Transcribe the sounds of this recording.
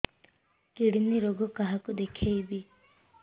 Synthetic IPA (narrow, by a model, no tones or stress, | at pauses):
kiɽiniɾoɡɔkaɦakud̪ekʰejbi